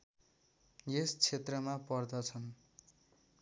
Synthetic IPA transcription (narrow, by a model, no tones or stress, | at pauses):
jest͡sʰet̪rʌmapʌrd̪ʌt͡sʰʌn